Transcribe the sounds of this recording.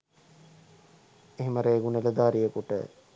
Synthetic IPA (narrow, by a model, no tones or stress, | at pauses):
eɦeməɾeːɡunələd̪aːɾijəkuʈə̰